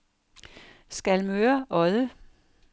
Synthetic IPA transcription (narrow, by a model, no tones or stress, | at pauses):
sɡ̥ælmøːɐʔɒɪðə